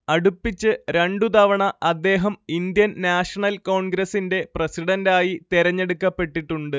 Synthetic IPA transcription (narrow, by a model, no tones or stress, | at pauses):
ɐɽupːit͡ɕːɨɾeɳɖut̪ɐʋɐɳɐɐd̪ːe̞ːɦɐmind̪jɐnnaːʂɐɳɐlko̞ːɳɡɾɐsinde̞prɐsiɽɐndaːjit̪iɾɐɲːe̞ɽukːɐpːe̞ʈːiʈːuɳɖɨ